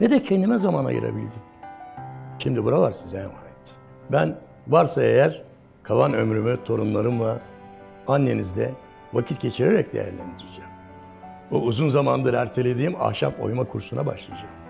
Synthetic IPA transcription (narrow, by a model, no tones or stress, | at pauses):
nɛd̪ɛcʰend̪imɛzamana̰jɯ̰ɾa̰bilʲd̪im | ʃimd̪ibuɾalˠaɾsnzɛɛmaːjɛt̪ | bæn | vaɾsae̞jæɾ | kʰavanømɾymyt̪ʰo̞ɾunlˠaɾɯmlˠa | anːe̞nizd̪ɛ | vacʰit̪ɟe̞t͡ʃʰiɾeɾɛc̚d̪e̞̰jæ̰ɾlʲæ̰nd̪iɾad͡ʒaːm | ouzunzamand̪ɯɾæɾt̪ʰe̞lʲe̞d̪iːma̰hʃa̰po̞̰jmakʰuɾsunaba̰ʃlˠijad͡ʒaːm